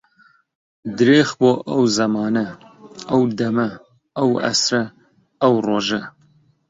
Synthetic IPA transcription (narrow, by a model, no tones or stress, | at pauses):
d̪ɨɾeːxboːʔɐwzɐmɑːnɐ | ɐwd̪ɐmɐ | ɐwɐ̰sɾɐ | ɐwroːʒɐ